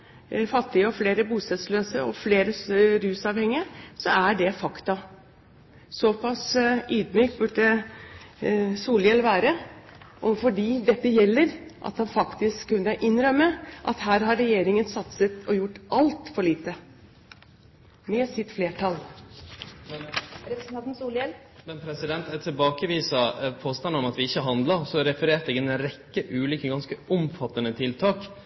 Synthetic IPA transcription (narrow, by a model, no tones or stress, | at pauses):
fɑt̪ːɪəɔfleːɾəbuːsɛsløːsəɔfleːɾəɾʉːsɑːʋhɛŋːɪəsɔæɖɛfɑkt̪ɑ | sɔpʰɑsʔyːd̪myːkt̪̚bʉɖə | suːljɛlʋæːɾəʔɔfɔɖiːd̪ɛt̪ːəjɛlːəɾʔɑ̰t̪hɑnfɑkt̪ɪskʰːʉnːəʔɪnːɾœmːəʔɑt̪hæːɾhɑɾːɛjeːɾɪŋənsɑt̪sət̪ɔjʊʈːʔɑlt̪fɔɭiːt̪ə | mɛsɪt̪fleːʈʰɑl | mɾɛpɾəsnʰɑnt̪nsuːljɛl | mɛnpʰɾɛsɪd̪ɛnt̪ɛt̪ʰɪlbɑːkəʋiːsɑpʰoːst̪ɑnɔmɑt̪ʋɪɪçːəɦɑnd̪lɑsɔɾɛfəɾeːɾt̪ɛɡənɾɛkːəʔʉːlʏkəɡɑnskəʊmfɑt̪ːənət̪ʰɪlt̪ʰɑːk